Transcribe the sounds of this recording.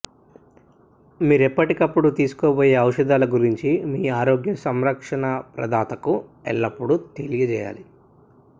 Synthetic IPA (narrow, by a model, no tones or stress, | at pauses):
miːɾepːɐʈikɐpːuɽut̪iːsu̥koːboːjeːɐwʂɐd̪aːlɐɡuɾiɲt͡ʃimiːaːɾoːɡjɐsɐmɾɐkʂɐɳɐpɾɐ̰d̪ʱaːt̪ɐkuɛ̰ɭːɐpːuɽut̪elijɐd͡ʒɛːja̰ːli